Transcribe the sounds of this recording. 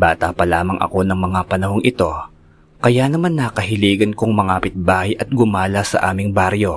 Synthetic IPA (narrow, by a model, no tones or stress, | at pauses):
baːt̪apɐlaːmɐŋʔɐ̰ko̞nɐŋmɐŋapɐnɐɦo̞ŋʔɪt̪o̞ | kɐjanɐmanːaːkɐɦɪliːɡɐnkoŋmɐŋapɪt̪̚baːhɐjʔɐt̪̚ɡʊmaːlɐsɐ̰ʔaːmɪŋbaɾjo̞